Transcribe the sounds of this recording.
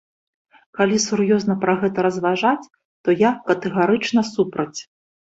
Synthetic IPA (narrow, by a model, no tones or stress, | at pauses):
kalʲisurjɔzn̪ɐpɾɐɣɛt̪ɐɾɐzvaʐat͡sʲ | t̪ɔjakɐt̪ɛɣaɾɨt͡ʂnɐsupɾɐt͡sʲ